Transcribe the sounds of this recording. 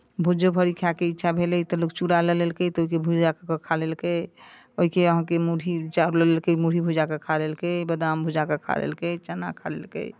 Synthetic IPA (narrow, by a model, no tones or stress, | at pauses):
bʱud͡ʒobʱəɾikʰakeitːʃʰabʱelɛt̪əlok̚t͡ʃuɾaləlelkət̪oikebʱud͡ʒakkəkʰalelkə | oɦikeəɦãkemuɽit͡ʃaɾuləlelkəmuɽ̤ibʱud͡ʒakekʰalelkəbəd̪ambʱud͡ʒakekʰa̰lḛlkət͡ʃəna̰kʰa̰lḛlkə̰